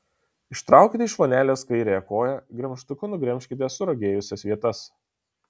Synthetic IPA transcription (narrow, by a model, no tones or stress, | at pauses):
ɪʃt̪ɾɑˑʊkʲit̪ʲɪɪʃʋoːnʲæːlʲeːskɐɪɾʲejɛkoːjɛɡɾʲɛmʲʃt̪ʊkʊnʊɡɾʲɛmʲʃʲkʲɪt̪ʲeːsʊɾoɡʲeːjʊsʲɛsʋʲiɛt̪ɐs